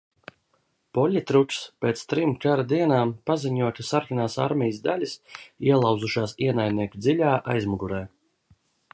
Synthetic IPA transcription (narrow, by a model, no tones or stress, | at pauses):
pɔʎʲit̪ɾukspeːt̪st̪ɾimkaɾad̪iɛnaːmpaziɲuɔt̪ʲasaɾkʲinaːsa̰ɾmʲijsd̪alʲisiɛlˠɑw̪zuʃaːsiɛnaj̪niɛkʲid̪zilʲaːʔa̰jzmuɡuɾɛː